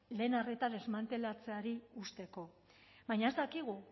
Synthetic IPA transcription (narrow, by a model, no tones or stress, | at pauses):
le̞ːnaret̪aðe̞zmant̪e̞lat͡se̞aɾiust̪e̞ko̞ | bajɲaezd̪akiɣ̞u